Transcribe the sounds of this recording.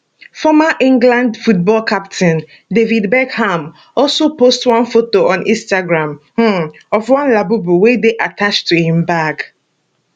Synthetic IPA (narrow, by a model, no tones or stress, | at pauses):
fɔmaʔĩŋɡlãndfut̚bɔlkʰaptʰɛ̃n | devidbɛɡham | ɔlsopostwãnfotoɔ̃nʔḭ̃nstaɡɹãmh̩ɔfwãnlabubuwedeʔatʰat͡ʃtuhĩmbak